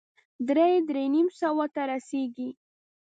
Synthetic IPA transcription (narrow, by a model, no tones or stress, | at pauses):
d̪ɾejd̪ɾenimsawat̪aɾaseɡi